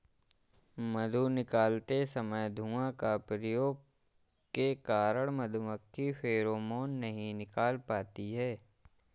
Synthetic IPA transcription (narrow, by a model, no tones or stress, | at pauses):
mɐd̪ʱunɪkaːlt̪esɐməjd̪ʱuãkapɾəjoːɡ | kekaːɾəɽ̃mɐd̪ʱuməkʰːifeːɾoːmoːnːɐɦĩnɪkaːlpaːt̪iɦɛː